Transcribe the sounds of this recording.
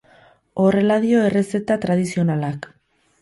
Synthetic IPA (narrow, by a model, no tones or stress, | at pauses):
o̞re̞laðio̞e̞re̞se̞t̪at̪ɾað̞isio̞nalak